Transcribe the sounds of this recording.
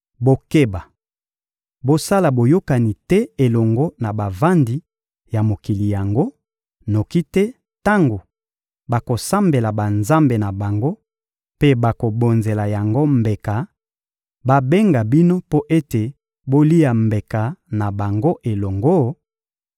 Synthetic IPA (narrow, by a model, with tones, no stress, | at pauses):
bo˨ke˦ba˨ | bo˦sa˦la˨bo˨jo˦ka˨ni˨tɛ˦e˨lɔ˨ŋɡo˦na˨ba˨va˦ndi˨ | ja˨mo˨ki˨li˨ja˨ŋɡo˦ | no˨ki˦tɛ˦ | ta˦ŋɡo˨ | ba˨ko˨sa˦mbe˨la˨ba˨nza˦mbe˨na˨ba˨ŋɡo˦ | pe˦ba˨ko˨bo˨nze˨la˨ja˨ŋɡo˦mbe˨ka˨ | ba˦be˦ŋɡa˨bi˦no˦po˦ʔe˦te˨ | bo˦li˦ja˨mbe˨ka˨na˨ba˨ŋɡo˦ʔe˨lɔ˨ŋɡo˦